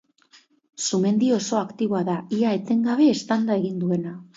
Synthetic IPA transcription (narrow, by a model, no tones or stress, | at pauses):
sume̞nd̪io̞so̞akt̪iβo̞aðaiae̞t̪e̞ŋɡaβ̞e̞ːst̪and̪ae̞ɣind̪ue̞na